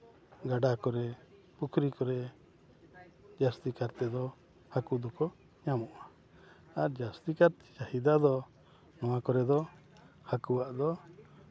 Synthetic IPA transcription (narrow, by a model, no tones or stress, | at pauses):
ɡaɖakɔɾɛ | pukʰɾikɔɾɛ | d͡ʒast̪ikaɾt̪ɛd̪ɔ | hakud̪ɔkɔ | ɲamɔʔa | aɾd͡ʒast̪ikaɾt̪ɛd͡ʒahid̪ad̪ɔ | nɔwakɔɾɛd̪ɔ | hakuwaʔd̪ɔ